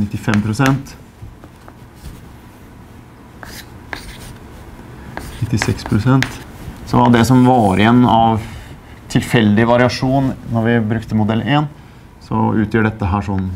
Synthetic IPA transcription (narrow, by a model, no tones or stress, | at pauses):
nɪt̪ːɪfɛmpʰɾʊsɛnt̪ | nɪt̪ːɪsɛkspʰɾʊsɛnt̪sɔd̪ɛsɔmʋɑːɾɪɛnɑʋ | t̪ʰɪlfɛld̪ɪʋɑɾɪɑʂuːnnɔɾʋɪbɾʉkt̪əmʊd̪ɛleːn | sɔ̰ʉːt̪ʰjøːɖɛt̪ːəɦæːʂɔm